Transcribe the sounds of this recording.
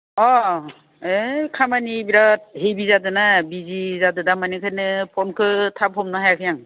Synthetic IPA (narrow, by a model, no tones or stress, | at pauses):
ɔ | ekʰamanibiɾat̚ɦejbizadɯnabizizadɯdamanikʰajnɯpʰɔnkʰɯtʰap̚ʰɔmnɯɦajakʰɯjaŋ